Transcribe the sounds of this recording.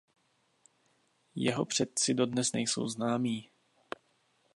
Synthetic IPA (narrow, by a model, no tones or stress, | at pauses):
jɛɦopr̝̥ɛt̪̚t͡sɪdodnɛsnɛ̰jso̞̰wznaːmiː